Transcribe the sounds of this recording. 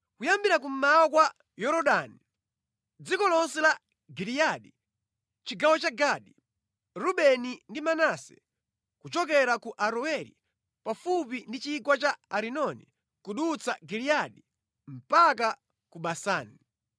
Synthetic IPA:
kujambiɾak̬um̩mawɔkwa | jɔɾɔɗani | d͡zikɔlɔnsɛla | ɡilijaɗi | t͡ʃiɡawɔt͡ʃaɡaɗi | ɾuɓɛnindimanasɛ̥̰ | kut͡ʃɔk̬ɛɾakuʔaɾuɛɾḭ | pafupindit͡ʃikwat͡ʃaaɾinɔnḭ | kuɗut͡saɡilijaɗi | m̩pak̬a | kuɓasaːni

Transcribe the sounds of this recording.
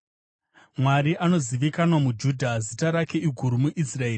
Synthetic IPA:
mwaɾiʔano̞ziʋikanwamud͡ʒudʱazitaɾake̞iɡʱuɾumuʔisrae̞ːr

